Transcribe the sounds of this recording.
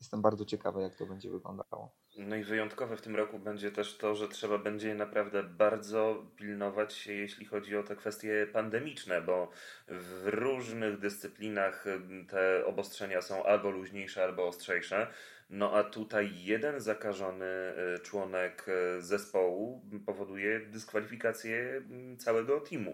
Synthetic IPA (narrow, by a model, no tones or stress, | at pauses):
jɛst̪ɛmbaɾd̪ɔt͡ɕɛkavɘjak̚t̪ɔbɛɲd͡ʑɛ̰vɘɡlɔ̰nd̪a̰a̰wɔ̰ | nɔivɘjɔnt̪kɔvɛft̪ɘmɾɔkubɛɲd͡ʑɛt̪ɛʂt̪ɔʐɛtʂɛbabɛɲd͡ʑɛnapɾavd̪ɛbaɾd̪zɔpʲilnɔvat͡ɕɕɛjeɕlʲixɔd͡ʑiɔt̪ɛkfɛst̪ʲjɛpand̪ɛmʲit͡ʂnɛbɔ | vɾuʐnɘɣd̪ɘst̪sɘplʲinaxt̪ɛɔ̰bɔstʂɛɲasɔ̃w̃ʔalbɔluʑɲejʂɛalbɔːstʂɛjʂɛ | nɔʔat̪ut̪ajːɛd̪ɛnzakaʐɔnɘt͡ʂwɔnɛkzɛspɔwupɔvɔd̪ujɛd̪ɘskfalʲifʲikat̪sʲjɛt̪sawɛɡɔt̪ʰʲimṵ